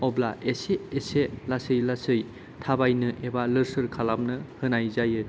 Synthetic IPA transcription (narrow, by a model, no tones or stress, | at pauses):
ɔblaʔeseːselasɯjlasɯj | tʰabajnɯʔebalɯɾsɯɾkʰalap̚nɯhɯnajzajɯ